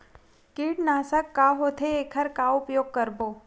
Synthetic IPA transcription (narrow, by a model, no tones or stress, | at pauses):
kiːʈnaːsəkːaɦoːt̪ʰeeːkʰəɾkaʊpjoːɡ̚kəɾboː